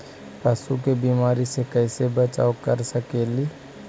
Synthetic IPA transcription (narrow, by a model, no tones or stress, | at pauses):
pəsukebiːmaːɾisekɛɪsebət͡ʃa̰ːokəɾsəkeːli